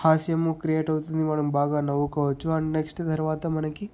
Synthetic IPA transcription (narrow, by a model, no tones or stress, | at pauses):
haːsjɐmukɾijeːʈɐʋut̪ɐnd̪imaːɽumbʱaːɡɐnɐʋukɐʋɐt͡ʃːuɐɳɖneksʈd̪ʱɐɾʋaːt̪ɐmɐnɐkːi